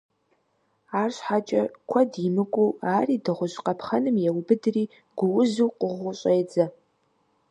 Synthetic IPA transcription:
aːrɕħat͡ʃʼɐkʷʰɐdimɨkʷʼuaːriːdɨʁʷʊʒqɐpʰχɐnɨmjɛwʊbɨdriː | ɡ̥ʷʊwʊzuwqʷʼʊʁʷʊɕʼejd͡zɐ

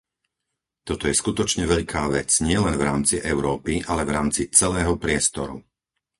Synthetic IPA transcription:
t̪ɔt̪ɔjɛskut̪ɔt͡ʃɲɛʋɛʎkʰaːʋɛt͡sɲɪɛlɛnvɾaːmt͡siʔɛʊɾɔːpiʔalɛvɾaːmt͡sit͡sɛlɛːɦɔpɾɪɛst̪ɔɾṵ

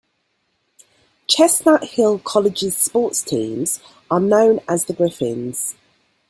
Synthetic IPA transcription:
t͡ʃʰɛsnaʔhɪlˠkʰɒlɪd͡ʒɪz̥spɔˑtstʰḭ̃ːmz̥ | ənə̃ʊ̃nəzðəbɹɪfɪ̰̃nz̥

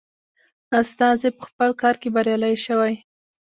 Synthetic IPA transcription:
ast̪ɑzepəxpəlkɑɾkebaɾjɑlajʃəwaj

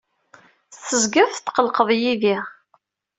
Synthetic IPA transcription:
θəzɡəvθt̪ːqəlqəðˤjiði

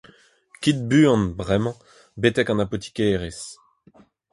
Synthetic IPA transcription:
kʲit̪̚byɑ̃nbʁɛmɑ̃ | bet̪ɛkɑ̃napɔt̪i̥keːʁes

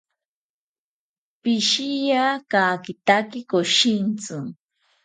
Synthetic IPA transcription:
pɪʃɪjakakɪt̪akɪkoʃint͡sʊŋ

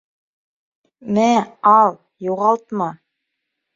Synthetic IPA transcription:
mɘæɑlˠ | juʁɑlˠt̪mɑ

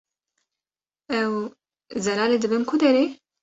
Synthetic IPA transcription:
ɛw | zɛlɑːled̪ɨbɨmkʰʊd̪ɛɾeː

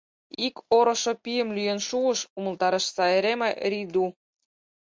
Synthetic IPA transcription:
ikoɾŏʃŏpijə̆mlyjenʃuəʃumə̆lt̪ɑɾə̆ʃsɑeɾemeʔɾid̪u

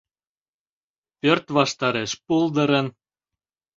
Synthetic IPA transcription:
pørt̪βɑʃt̪ɑɾeʃpuld̪ə̆ɾə̆n

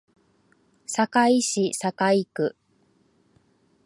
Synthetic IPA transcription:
sakaiɕisakaikɯ̟

